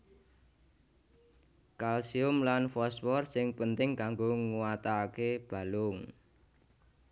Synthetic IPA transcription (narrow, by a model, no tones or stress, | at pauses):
kalsiʊmlanfɔswɔrsɪŋpənt̪ɪŋkaŋɡoŋuwat̪akeb̥a̤lʊŋ